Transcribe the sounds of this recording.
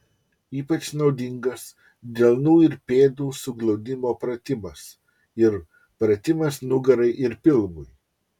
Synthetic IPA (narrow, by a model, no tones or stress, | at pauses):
iːpɐt͡ʃnɒʊd̪ʲɪŋɡɐs | d̪ʲɛlˠnuːɪɾpʲeːd̪uːsʊɡlˠɒʊd̪ʲɪmoːpɾɐt̪ʲɪmɐs | ɪɾ | pɾɐt̪ʲɪmɐsnʊɡɐɾɐɪʔɪɾpʲɪlˠmʊj